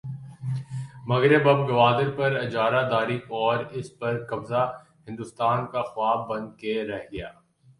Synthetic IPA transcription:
mɐɣɾɪbɐbɡɐʋaːd̪ɪɾpɐɾɐd͡ʒaːɾad̪aːɾikɔːɾɪspɐɾkɐbza | hɪ̃nd̪ʊst̪aːnkaxʊaːb̚bɐ̃nd̪̚keɾɛɦɡɐjaː

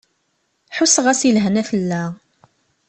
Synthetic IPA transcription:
ħusəʁæsilɦnæθəlːæ

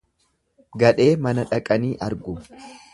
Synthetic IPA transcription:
ɡɐᶑe̞ːmɐnɐᶑɐkʼɐniːʔɐɾɡʊ

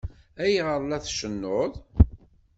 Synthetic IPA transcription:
æjʁəɾˤlæθʃənːoðˤ

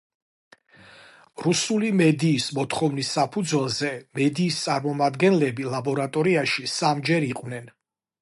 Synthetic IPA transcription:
ɾusulimɛd̪iːsmɔt̪ʰχɔvnisːapʰud̪zwɛlˠzɛmɛd̪iːst̪sʼaɾmɔmad̪ɡɛnlɛbilˠabɔɾat̪ʼɔɾiaʃisamd͡ʒɛɾiqʼwnɛn

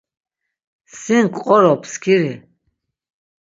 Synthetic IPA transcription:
siŋkʼqʼɔɾɔpʰskʰiɾi

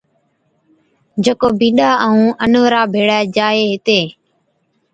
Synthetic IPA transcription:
d͡ʒeːkoːbĩːɗaːʔəːũːʔənːəɾaːbʱeːɽaːd͡ʒaːeːɦɪt̪eː

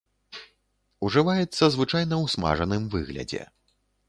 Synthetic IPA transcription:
uʐɨvajɛt̪sːɐzvɨt͡ʂajnɐwsma̰ʐɐnɨmvɨɣlʲɐ̰d͡zʲɛ̰

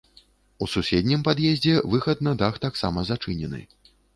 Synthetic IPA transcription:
ususʲɛd̪ʲnʲimpad̪jɛzʲd͡zʲɛvɨxɐt̪nɐd̪axt̪aksa̰mɐzat͡ʂɨnʲɛnɨ̰

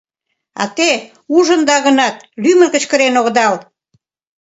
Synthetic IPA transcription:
ɑ̰t̪e | uʒənd̪ɑɣənɑt̪̚lymə̆nkə̆t͡ɕkəɾenoɣd̪ɑl

